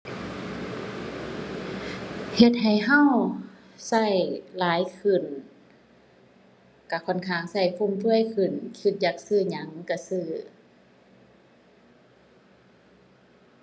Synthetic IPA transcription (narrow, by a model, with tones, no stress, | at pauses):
he˧t̪̚ɦa˨˩jɦa˧˥˨w | sa˧˩jlaː˨˦jkʰɯ˧˩n | ka˧˩kʰɔ˧˩˨nkʰaː˧˩ŋsa˧˩jkʰo˧˥˨mt̪ʰu˧˥˨əjkʰɯ˧˩nkʰi˧˦t̪̚jaː˨˩k̚sɯː˧˩ɲa˨˦ŋka˧˩sɯː˧˩